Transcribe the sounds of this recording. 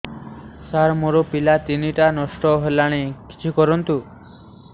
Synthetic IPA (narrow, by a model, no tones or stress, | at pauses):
saɾmoɾopilat̪iniʈanɔsʈɔɦelaɽ̃eki̥t͡ʃʰikɔɾɔnt̪u